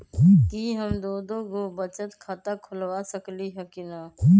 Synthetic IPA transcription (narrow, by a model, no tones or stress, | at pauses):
kiɦəmd̪oːd̪oɡobət͡ʃət̪kʰat̪akʰʊlwasəkliɦɛkina